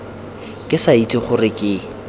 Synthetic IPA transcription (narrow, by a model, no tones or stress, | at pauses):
kʼɪsait͡sʼɪχʊrɪkʼɪ